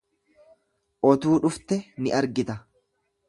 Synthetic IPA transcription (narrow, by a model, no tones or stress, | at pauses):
ʔɔt̪uːᶑʊft̪ɛnɪʔɐɾɡɪt̪ɐ